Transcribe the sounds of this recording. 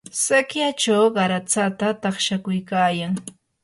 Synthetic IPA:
sakjat͡ʃawɢɑɾat͡sat̪at̪ɑχʃakʊjkaːjaŋ

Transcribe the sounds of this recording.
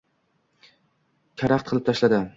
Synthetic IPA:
kʲʰaɾaqt̪qʰɨlˠɪp̚t̪ʰaʃlad̪ɪ

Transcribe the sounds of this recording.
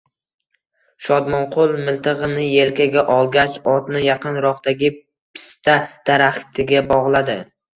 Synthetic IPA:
ʃɒd̪mɒnqʰolˠmɪlt̪ʰɨʁɨnɪje̞lkʲaɡʲaʔɒlˠɡʲat͡ʃɒt̪nɪjɑqɨnɾɒqd̪aɡʲɪ | pʰɪ̥st̪ʰad̪̥aɾaχt̪ʰɪɡʲabɒʁlˠad̪ɪ

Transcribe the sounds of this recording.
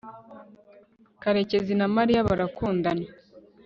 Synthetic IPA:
kaɾe̞ce̞zinamaɾijaβaɾakuːndana

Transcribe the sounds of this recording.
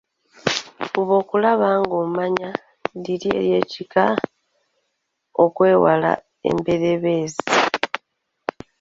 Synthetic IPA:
uβo̞ːkulaβaːŋɡomaɲa | liɾie̞̰ɾje̞ːcika | okwe̞ːwala̰ | e̞̰mbe̞ɾe̞βe̞ːzi

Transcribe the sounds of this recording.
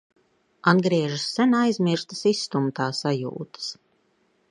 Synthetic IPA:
anɡɾiɛʒɨsːɛnajzmʲiɾst̪əsisːt̪umt̪aːsajṵːt̪ə̥s

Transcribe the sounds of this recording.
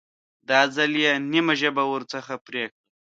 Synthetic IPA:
d̪ɑːzaljenimaʒəbawəɾt͡səxapɾekɽi

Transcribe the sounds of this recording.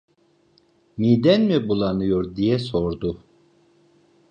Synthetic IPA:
mid̪ɛnmibulˠanɯjoɾd̪ijɛsoɾd̪u

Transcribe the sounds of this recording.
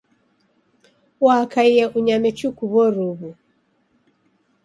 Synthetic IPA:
wakaijɛʔuɲamɛt͡ʃukuβɔɾuβu

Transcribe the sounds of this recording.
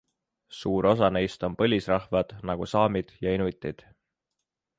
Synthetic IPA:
suːɾo̞s̬ɑne̞jst̪o̞mpɤ̞lʲisrɑhvɑd̪̥nɑɡ̥usɑːmid̪̥jɑinut̪ːˑid̪̥

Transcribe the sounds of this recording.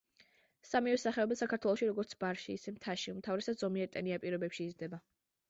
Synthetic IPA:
samiɛsaχɛɔbɛsakʰaɾt̪ʰwɛlˠɔʃiɾɔɡɔɾt̪sʰbaɾʃiːsɛmt̪ʰaʃiumt̪ʰavɾɛsad̪zɔmiɛɾt̪ʼɛniapʼiɾɔbɛpʃiːzd̪ɛba

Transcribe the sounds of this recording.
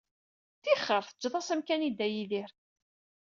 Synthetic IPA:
θiχːəɾˤθəd͡ʒːðˤɑsæmkænid̪æjiðiɾ

